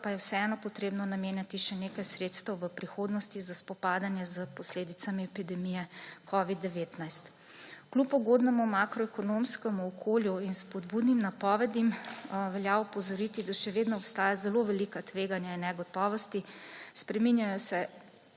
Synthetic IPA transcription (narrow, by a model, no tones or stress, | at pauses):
pajɛwsɛɛnɔpɔt̪ɾeːbnɔnameːnjat̪iʃɛneːkajsɾeːt̪st̪əwʋəpɾixoːd̪nɔst̪izaspɔpaːd̪anjɛzəpɔsleːd̪it̪samiɛpid̪ɛmijɛkʰɔʋid̪ːɛʋeːt̪najst̪ | klupɔɡod̪nɛmumakɾɔɛkɔnomskɛmuɔkʰoːljuinspɔd̪buːd̪nimnapɔːʋɛd̪imʋɛljaɔpɔzɔɾit̪id̪aʃɛʋeːd̪nɔɔpst̪aːjazɛloʋɛlikat̪ʋeɡanjainːɛɡɔt̪ɔːʋɔst̪ispɾɛminjajɔsɛ